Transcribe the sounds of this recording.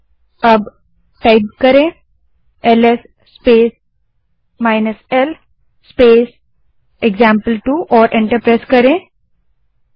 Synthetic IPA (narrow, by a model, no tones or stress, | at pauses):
əb | ʈaɪb̚kəɾẽ | elesː | peːs | maɪnəsel | speːs | eɡzãːmpəlʈuʔɔːɾʔẽɳʈəɾpɾaːskɐɾẽ